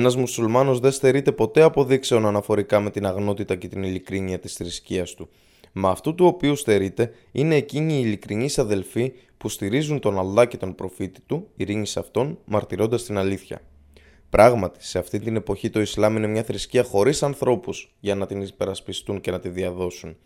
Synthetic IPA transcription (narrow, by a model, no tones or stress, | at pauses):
enɐzmusulmɐno̞zðest̪e̞ɾit̪e̞po̞t̪eɐpo̞ðikse̞o̞nɐnɐfo̞ɾikɐme̞t̪inɐɣno̞t̪it̪ɐce̞t̪inilikɾiniɐt̪isθɾisciɐst̪u | mɐːft̪ut̪uo̞piust̪e̞ɾit̪e̞ | ine̞ːciɲiːlikɾiɲisɐðe̞lfi | pust̪iɾizunt̪o̞nɐlːɐce̞t̪o̞npɾo̞fit̪i̥t̪uiɾiɲisɐft̪o̞nmɐɾt̪iɾo̞nd̪ɐst̪inɐliθçɐ̰ | pɾʔɐɣmɐt̪i̥se̞ɐft̪int̪ine̞po̞çit̪o̞islɐmine̞mɲɐθɾisciɐxo̞ɾisɐnθɾo̞puz̥ʝɐnɐt̪inipe̞ɾɐspist̪unce̞nɐt̪iðiɐðo̞sun